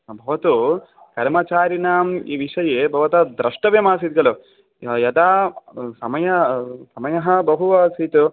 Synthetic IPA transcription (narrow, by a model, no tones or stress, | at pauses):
bʱɐʋɐt̪u | kɐɾmɐt͡ʃaːɾinaːmḭʋiʂɐjeːbʱɐʋɐt̪ɐd̪ɾɐʂʈɐʋjɐmaːs̬it̪̚ɡɐlu | jɐt̪aːsɐmɐjɐsɐmɐjɐɦɐbɐɦuɐːsit̪u